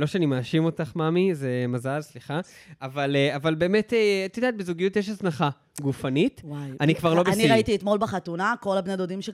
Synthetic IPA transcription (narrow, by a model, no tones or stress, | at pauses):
lo̞ʃeanimaːʃimo̞taχmamize̞mazalsliχaavaleavalbe̞ːme̞tet̪id̪at̪̚bezuɡijutjeʃ̬asnaχa | ɡufanitwaʔanikvaʁlo̞besniʁaitiːt̪mo̞lbeχat̪unako̞labnad̪od̪imʃe